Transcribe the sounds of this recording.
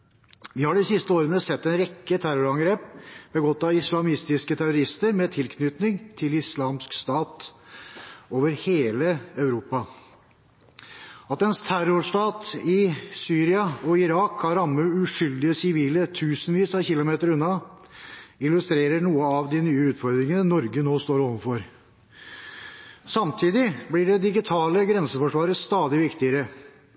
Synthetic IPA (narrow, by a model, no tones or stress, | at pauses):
ʋɪːhɑɖɪsɪst̪əoːɾənəsɛt̪ːɛnɾɛkːət̪ʰæɾʊɾɑŋɡɾeːp̚bəɡɔt̪ːɑɪslɑmɪst̪ɪskət̪ʰæɾʊɾɪst̪əɾmɛt̪ʰɪlkʰnʏt̪nɪŋt̪ʰɪlɪslɑːmskst̪ɑːt̪ | oːʋəɾheːləɑʉɾuːpɑ | ɑt̪ɛnst̪ʰæɾʊʂʈ̪ɑːt̪ɪsyːɾɪɑɔɪɾɑːkhɑɾɑmːʉʉʂʏld̪ɪəsɪʋiːlət̪ʰʉːsənʋiːsɑçɪlʊmeːt̪əɾʉnːɑ | ɪlʉst̪ɾeːɾəɳuːəɑʋd̪ɪnyːəʉːt̪fɔɾd̪ɾɪŋənənɔɾɡənoːst̪oːɾɔʋənfɔɾ | sɑmt̪ʰiːd̪ɪblɪɖɛd̪ɪɡɪt̪ʰɑːləɡɾɛnsəfɔʂʋɑːɾəst̪ɑːd̪ɪʋɪkt̪ɪəɾə